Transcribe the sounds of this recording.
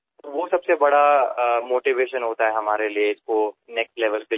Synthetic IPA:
ʋosɐbsebɐɽamoːʈiʋeːʃənɦoːt̪aɦɛɦɐmaːɾelieɪskonɛksʈlɛːʋəlpɪ

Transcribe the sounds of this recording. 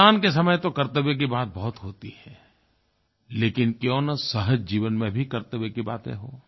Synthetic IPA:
aːnkes̬ɐməjt̪okɐɾt̪əbek̬ibaːt̪̚bɐɦʊt̪ɦoːt̪ihɛː | leːkɪnkjõːnɐsɐɦəd͡ʒd͡ʒiːʋənmẽbʱikɐɾt̪əbekiba̰ːt̪ḛ̃ɦoː

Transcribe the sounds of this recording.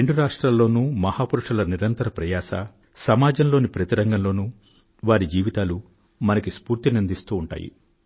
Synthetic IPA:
eɳɖuɾaːʂʈɾaːlːo̞ːnuːmɐhaːpuɾuʂɐlɐniɾɐnt̪ɐɾɐpɾɐjaːʃɐ̰ | sɐmaːd͡ʒɐmlo̞ːnipɾɐt̪iɾɐŋɡɐmlo̞ːnu | ʋaːɾid͡ʒiːʋit̪aːlu | mɐnɐkispuːɾt̪inind̪ist̪uːɳʈa̰ːjḭ

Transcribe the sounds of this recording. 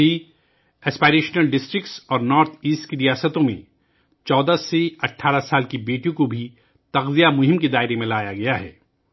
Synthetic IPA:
i | ɛːspaːɾeːʃnəlɖɪsʈɾɪkʈsɔːɾnɔːɾt̪ʰiːsʈkiɾijaːsət̪õmḛ̃ | t͡ʃɔːd̪aseɐʈʰːaːɾasaːlkibeːʈijõkobʱi | t̪ɐɣzijamʊɦɪ̃mked̪aːɪɾemẽlaːjaɡɐjaɦɛ̰ː

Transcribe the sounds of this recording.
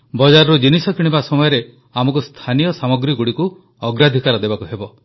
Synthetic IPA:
bɔd͡ʒaɾɔɾud͡ʒinisɔkiɽ̃ibasɔmɔjɔɾe | amɔkust̪ʰanijɔsamɔɡɾiɡuɽiku | ɔɡɾad̪ʱikaɾɔd̪ebakuɦebɔ

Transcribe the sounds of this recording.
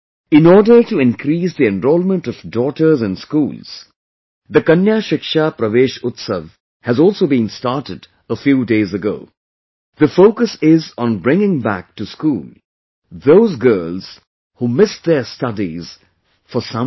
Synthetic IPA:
ɪ̃nɔːɖəʈuɪ̃nkɾiːs̬d̪iɛ̃nɾɔːlmə̃nʈɔvdɔːʈə˞zɛ̃nskṵːlz̥ | d̪əkʌ̃njaːʃɪkʃapɾəʋeːʃʊt̪səʋ | hæzɔːlˠsoːbĩnstaɾʈɪd | əfjuːdeːzəɡo̰ː | ðəfoːkəsɪzɔ̃nbɾɪ̃ŋɪ̃ŋbæ̰k̚ʈuskuːl | ðoːzɡɜːlz̥ | huːmɪsd̪ɛstʌdiz̥ | fɔsʌ̃

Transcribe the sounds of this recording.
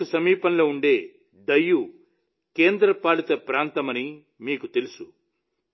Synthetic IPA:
usɐmiːpɐnlo̞ːuɳɖeː | d̪ɐjːu | keːnd̪ɾɐpaːɭit̪ɐpɾaːnt̪ɐmɐni | miːkut̪elusu

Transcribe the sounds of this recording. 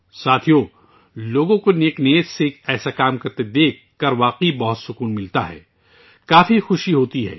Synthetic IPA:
saːt̪ʰijo | loːɡõkoneːkneːt̪seɛːsakaːmkɐɾt̪ed̪eːkːɐɾʋaːqibɐɦʊt̪sʊkuːnmɪlt̪aɦɛ̰ː | kaːfixʊʃiɦoːt̪iɦɛ̰ː

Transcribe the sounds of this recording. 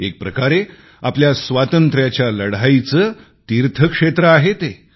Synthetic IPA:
ek̚pɾəkaɾe | apljasʋat̪ənt̪ɾjat͡ɕjaləɽait͡səː | t̪iɾt̪ʰəkʂet̪ɾəaɦet̪e

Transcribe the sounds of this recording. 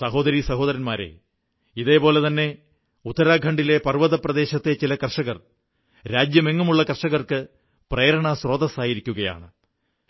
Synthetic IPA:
sɐɦo̞ːd̪ɐɾisɐɦo̞ːðɐɾɐnmaːɾe̞̰ | iðe̞ːpo̞ːle̞t̪ɐnːe̞ | ut̪ːɐɾaːɡʱɐɳɖile̞pɐrʋɐðɐprɐd̪e̞ːɕɐt̪ːe̞t͡ɕilɐkɐrʂɐɣɐr | ɾaːd͡ʑjɐmeŋːumuɭːɐkɐrʂɐɣɐrkɨ | preːɾɐɳɐsro̞ːd̪ɐsaːjiɾikʲːuɣɐja̰ːɳɨ

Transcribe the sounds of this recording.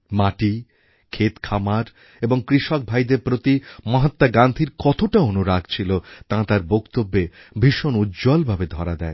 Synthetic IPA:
maʈi | kʰet̪kʰamaɾ | eboŋkɾiʃok̚bʱajd̪eɾpɾot̪imãɦat̪ːaɡand̪ʱiɾkɔt̪oʈaonuɾaɡt͡ɕʰilot̪ãt̪aɾbokt̪obːe | bʱiʃonudd͡ʑɔlbʱabed̪ʱɔɾad̪ɛe

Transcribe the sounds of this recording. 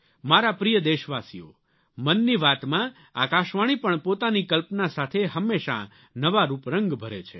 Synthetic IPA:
maɾapɾijəd̪eʃʋasḭo̰ | mənːiʋat̪mã | a̰kaʃʋaɽ̃ipəɳpot̪anikəlpnasat̪ʰeɦəmːeʃa̰ | nəʋaɾupɾəŋɡbʱəɾet͡ʃʰe

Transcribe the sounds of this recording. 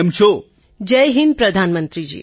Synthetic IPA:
mt͡ʃʰo | d͡ʒəjɦinpɾəd̪ʱanmənt̪ɾid͡ʒḭː

